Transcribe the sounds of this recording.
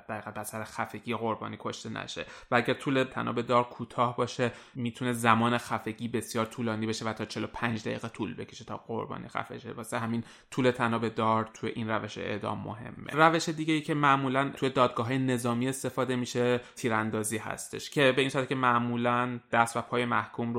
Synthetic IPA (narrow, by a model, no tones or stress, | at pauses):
d̪̥æɾiːʁæt̪̚bæsæɾexæfe̞ɟijeɣo̞ɾbɒ̰ːnikʰo̞ʃt̪e̞nʔæ̰ʃe̞̰vææɟæɾt̪ʰuːlet̪ʰæ̰nʔɒ̰ːbe̞d̪ɒːɾkʰuːt̪ʰɒːhbɒːʃe̞miːt̪ʰune̞zæmɒːnexæfe̞ɟiːbe̞sjɒːɾt̪ʰuːlɒːniːbeʃe̞væt̪ʰɒːt͡ʃʰelo̞pʰænd͡ʒd̪æ̰jḭːɣet̪ʰulbe̞̰cʰeʃet̪ʰɒːɢo̞̰ɾbɒ̰ːnḭxæ̰fḛd͡ʒḛbɒseɦæmin | t̪ʰuːle̞t̪ʰænɒːbe̞d̪ɒːɾt̪ʰujḛʔinræve̞ʃeḛʔd̪ɒ̰ːmːo̰ɦe̞̰mːḛræve̞ʃe̞d̪iːɟejiːcʰemæʔmuːlænʰuje̞d̪ɒːd̪̚ɡɒːɦɒːjene̞zɒːmiːe̞st̪e̞fɒːd̪e̞miʃe̞t̪ʰiːɾænd̪ɒːziːɦæ̰st̪e̞ʃcʰe̞be̞iːnsæt̪cʰe̞mæʔmuːlænd̪̥æst̪væpʰɒːjemæhkʰumɾo